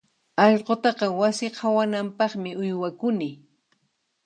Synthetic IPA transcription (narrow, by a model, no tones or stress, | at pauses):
ɑʎqot̪ɑqɑwasɪqʰawanampɑχmɪʊjwakʊnɪ